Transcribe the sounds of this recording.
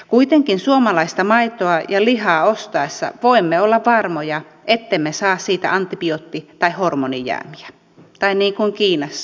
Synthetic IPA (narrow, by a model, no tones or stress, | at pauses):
kuit̪eŋkinsuomɑlɑist̪ɑmɑit̪oɑjɑlihɑːost̪ɑesːɑ̰ʋoimːeolːɑʋʋɑrmojɑ | ʔet̪ːemːesɑːssiːt̪æ̰ʔɑnt̪ːipiot̪ːit̪ɑihormonijæ̰ːmiæ̥ | t̪ɑinniːŋkuŋkiːnɑsː